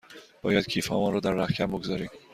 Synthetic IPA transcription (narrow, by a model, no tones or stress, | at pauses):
b̥ɒːjæd̪̥cʰiːfhɒ̰ːmɒnɾɒːd̪æɾːæhcʰæmboɡozɒɾim